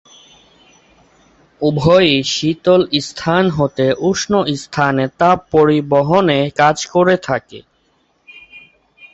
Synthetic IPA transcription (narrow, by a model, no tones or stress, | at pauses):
ubʱɔjʃit̪olist̪ʰanɦot̪eʔuʃnoʔist̪ʰanet̪apoɾiboɦonekad͡ʑkoɾet̪ʰakḛ